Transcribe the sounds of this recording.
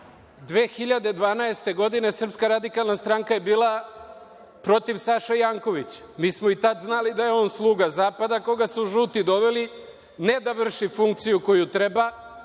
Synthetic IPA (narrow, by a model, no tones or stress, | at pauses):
d̪ʋe̞ːxiʎad̪ed̪ʋaːnaest̪e̞ɡo̞d̪ine̞sər̩pskaɾad̪ikalˠnast̪ɾaŋkaje̞biːlˠa | pɾo̞t̪iʋsaʃajaːŋko̞ʋit͡ɕ | miːsmoit̪at̪znalid̪aje̞o̞ːnslˠuːɡazaːpad̪ako̞ɡasuʒuːt̪id̪o̞ʋeli | ne̞d̪aʋr̩ʃifuŋkt̪sijuko̞jut̪ɾeba